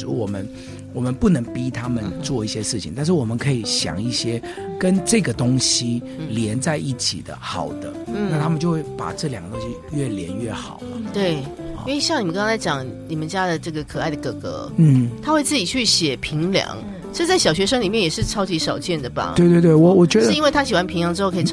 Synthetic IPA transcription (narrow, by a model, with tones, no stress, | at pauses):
wɔ˨˩mə˦n | wɔ˨˩mə˦npu˥˩nə˧˥ŋpi˦˥t̪ʰa˦mə˨nt͡swɔ˥˧i˥˩ɕjɛ˦ʂɻ̩˥˩t͡ɕʰḭ˨ŋt̪a˥˧nʂ̬ɻ̩˥˩wɔ˨˩mə˦nkʰɤ˧˥i˨ɕjɑ̰˨˩ŋi˥˩ɕjɛ˦ | kə˦nʈ͡ʂɤ˥˩ɡə˩t̪o˥ŋɕi˦ | ljɛ˧˦nt͡sa˥˧ɪʔi˥˩t͡ɕʰḭ˨˩d̪ə̰˦xɑ˨˩ʊd̪̥ə˦n̩˥n˩na˥˨t̪ʰa˥mə˨nt͡ɕjo˥˧ʊwe˥˩ɪpa̰˨˩ʈ͡ʂɤ˥˩˨ljɑ˨˩ŋɡə˦t̪o˥ŋɕi˦˥ɥɛ˥˩ljɛ˧˦nɥɛ˥˩xɑ̰˨˩ʊlə˦t̪we˥˩ɪ̰˧˥wi˨˩ɕjɑ˥˩ŋni˨˩ə˧˦ŋkɑ˥ŋt͡sʰa˧ɪt͡ɕjɑ˨˩˦ŋni˨˩mə˦nt͡ɕja˦˥d̪ə˨ʈ͡ʂɤ˥˩ɡə˩kʰɤ˨˩a˥˩ɪd̪ə˩kɤ˨˩kɤ̰˧˥˦n̩˥˩t̪ʰa˥xwe˥˧ɪt͡sɹ̩˥˩t͡ɕi˨˩t͡ɕʰy˥˩ɕjɛ˨˩pʰi˧˥ŋljɑ̰˨˧˦ŋ | ʈ͡ʂt͡sa˥˩ɪɕjɑ˨˩ʊɕɥɛ˧˥ʂɤ˥ŋli˨˩mjɛ˥˩njɛ˨˩ʂɻ̩˥˩ʈ͡ʂʰɑ˥ʊt͡ɕi˧˥ʂɑ˨˩ʊt͡ɕjɛ˥˩nd̪ə˩ba̰˨˩we˥˧ɪt̪wt̪wwɔ˨˦wɔ˨˩t͡ɕɥɛ˧˦d̪ə˥˧i˦nwe˥˩ɪt̪ʰa˥ɕi˨˩wa˦npʰi˧˥ŋljɑ˧˦ŋʈ͡ʂɻ̩˥xo˥˩kʰi˨˩